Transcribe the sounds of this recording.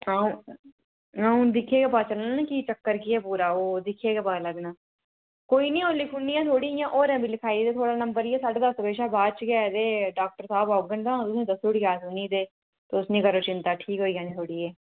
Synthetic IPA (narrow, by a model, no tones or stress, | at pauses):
aːũː | ãːũːd̪ɪkʰeːɡeːpaːt͡ʃəlanːkiːt͡ʃəkːəɾkiɛːpuːɾaːoːd̪ɪkʰːeːɡeːpaːləɡnaː | koːiːnĩːoːliːpʰuːniːjãːt̪ʰoːɽiːjãːʔoːɾɛ̃ːbiːlɪkʰaːid̪eːt̪ʰoːɽaːnəmbəɾiːɛːsaːɖeːd̪əsbeːʃaːbaːd̪t͡ʃɡɛːd̪eːɖaːk̚ʈəɾsaːbɔːɡənt̪ãːt̪ʊsĩːd̪əsʊɽɡaːsʊniːd̪eː | t̪eːʊsnĩːkəɾoːt͡ʃɪnt̪aːʈʰiːkɦoːiːjãːnĩːt̪ʰoːɽiːɛː